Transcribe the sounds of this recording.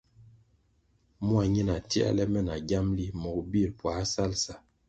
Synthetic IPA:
mu˦a˨ɲi˦na˨ti˦a̰˦lɛ˦mɛ˦na˨ɡja˦mli˦mɔ˨kbi˦˨lpwa˨˦sa˦lsa˨

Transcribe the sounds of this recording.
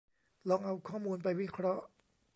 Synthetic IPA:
lɔː˧ŋʔa˧wkʰɔː˥˩muː˧npa˧jwi˦˥kʰɾɔ˦˥ʔ

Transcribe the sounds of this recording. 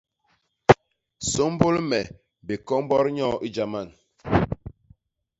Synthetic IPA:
so˦m˦bo˦lmɛ˨ | be˨kɔ˦m˦bɔ˦ɾɲɔ˦˨ʔi˦d͡ʒa˨ma˦˨n

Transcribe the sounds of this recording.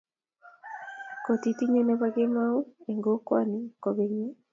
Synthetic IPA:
ko˨ti˨ti˦ɲe˦ne˦βaɡe˦ma˦u˦e˨ŋɡo˦kwa̰˦ni˨ko˨βeɲe˦

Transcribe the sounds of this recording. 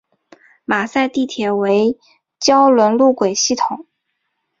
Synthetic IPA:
ma˨˩sa˥˧ɪt̪i˥˩t̪ʰjɛ˨˩we˧˥ɪ | t͡ɕjɑ˥ʊlwə˧˥nlu˥˩kwe˨˩ɪɕi˥˩t̪ʰʊ˨˩˦ŋ

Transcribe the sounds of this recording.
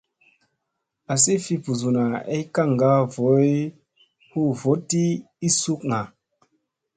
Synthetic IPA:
a˨si˦fi˧pu˨zu˨na˨e˦ka˦˨ŋ˨ɡa˨˦vo˨˦j | hu˦˨vo˦ti˦ | i˦su˦k̚ŋa˨

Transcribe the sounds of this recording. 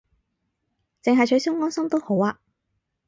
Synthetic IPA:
t͡sɪ˨ŋɦɐ˨jt͡ʃʰɵ˨˧ɥsʊ˥ŋːɔː˥nsɐ˥mt̪o˥who˨˥waː˧

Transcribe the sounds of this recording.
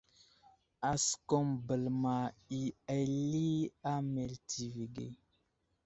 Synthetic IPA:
a˨sko˦mbə˨lma˨i˨a˨li˦a˦me˨ltʰi˨vi˨ɡḛ˨

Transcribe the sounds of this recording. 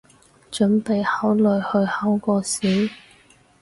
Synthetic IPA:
t͡ʃɵ˨˥npe˨jhaː˨˥wlɵ˨˧jhɵ˧ɥhɐ˨˥wkɔː˧siː˨˥w

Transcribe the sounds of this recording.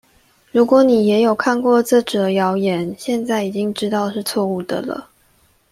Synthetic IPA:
ɻu˧˥kwɔ˧˦ni˨˩jɛ˧˥jo˨˩ʊkʰa˥˨nkwɔ˥˧ʈ͡ʂɤ˥˩ʈ͡ʂɤ˨˩jɑ˧˥ʊjɛ˨˩˦nɕjɛ˥˧nt͡sa˥˩ɪi˨˩t͡ɕi˦ŋʈ͡ʂɻ̩˥t̪ɑ˥˧ʊʂɻ̩˥˧t͡sʰwɔ˥˧u˥˩d̪ə̰˨˩lə̰˩

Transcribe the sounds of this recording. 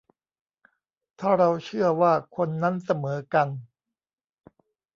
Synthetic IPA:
t̪ʰaː˥˩ɾa˧wt͡ɕʰɯ˥˩ɐwaː˥˩kʰo˧nːa˦˥nsa˧mɤː˩˦ka˧n

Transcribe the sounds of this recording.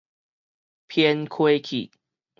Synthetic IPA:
pʰjɛ˦nkʰwe˦kʰḭ˨˩

